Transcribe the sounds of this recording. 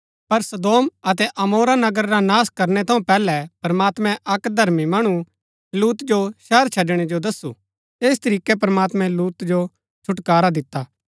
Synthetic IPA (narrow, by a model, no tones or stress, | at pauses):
pɐɾsɐd̪oːmɐt̪̬ɛʔɐmoːɾanɐɡəɾːanaːskɐɾnɛt̪ʰɐ̃ũpɛːlɛpɾmaːt̪mɛ̃ʔɐkd̪ʱɐɾmimɐɽ̃u | luːt̪d͡ʒoʃɛːɾt͡ʃʰɐɖɽ̃ed͡ʒod̪ɐsːṵ | eːs̬t̪ɐɾiːkɛpɾəmaːt̪mɛ̃luːt̪d͡ʒo | t͡ʃʰʊʈkaːɾad̪ɪt̪ːaː